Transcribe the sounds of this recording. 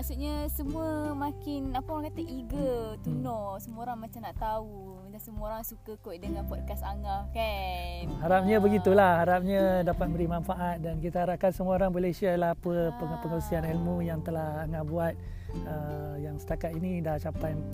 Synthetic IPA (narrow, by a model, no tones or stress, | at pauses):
maksuʔɲasəmũəmakɪnapəoɾaŋkat̪aʔiɡət̪unɔsəməoɾaŋmat͡ʃamnaʔt̪au | d͡ʒaŋsəməoɾaŋsukəkojdəŋanpɔd̚kasaŋaka | ɦaɾap̚ɲãbəɡit̪ulahhaɾap̚ɲãdapat̪̚bəɾimanfaʔat̪̚dankit̪aɦaɾap̚kansəmuoɾaŋbalesialahpəpəpəŋəlsianilmũjaŋt̪əlahaŋaʔbuat̪̚ | əjaŋsə̥t̪akat̪inidat͡ʃapaj